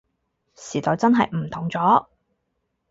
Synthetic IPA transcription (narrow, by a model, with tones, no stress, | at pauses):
siː˨˩t̪ɔː˨˧wt͡sɐ˥nɦɐ˨jm̩˨˩t̪ʰʊ˨˩ŋt͡sɔː˨˥